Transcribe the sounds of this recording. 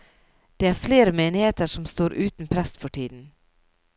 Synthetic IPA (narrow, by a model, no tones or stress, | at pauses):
d̪̥eːæːɾfleːɾəmeːnɪheːt̪əɾʂɔmst̪oːɾʔʉːt̪n̩pʰɾɛst̪fɔʈʰiːd̪n̩